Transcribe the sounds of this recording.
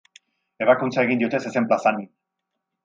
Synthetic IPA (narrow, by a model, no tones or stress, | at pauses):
e̞βakunt͡sae̞ɣind̪io̞t̪e̞sesemplasani